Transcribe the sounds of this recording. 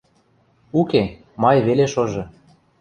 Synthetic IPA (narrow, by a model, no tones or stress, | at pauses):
uke | mɑjβeleʃoʒɤ̆